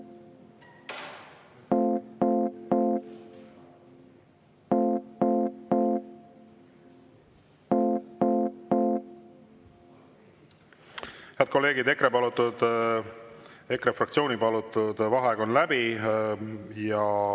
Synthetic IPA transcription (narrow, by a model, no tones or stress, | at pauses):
heɑd̪̚ko̞lːe̞ːɡid̪e̞kɾepɑlut̪ːud̪ | e̞kɾefrɑkt̪sioːnipɑlut̪ːˑud̪vɑɦeɡo̞nlæbi | jɑ